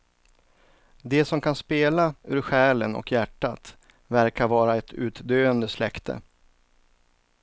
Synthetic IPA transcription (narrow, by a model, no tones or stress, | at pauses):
d̪ɛsɔmkʰanspeːlaʉːɾɧæːlənɔ̰kjæʈːat̪ | væɾkaɾvɑːɾaɛt̪ʰʉ̟ːt̪d̪øːənd̪əslɛkt̪ʰə̰